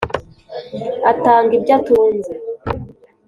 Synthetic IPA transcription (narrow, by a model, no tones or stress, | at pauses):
ataːŋɡib̚ɟatuːnze